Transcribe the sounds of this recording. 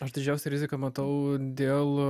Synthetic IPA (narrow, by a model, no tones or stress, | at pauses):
ɐʃd̪ʲɪd͡ʒʲɛʊsʲɛɾʲɪzʲɪkɐmɐt̪ɐʊd̪ʲeːlˠ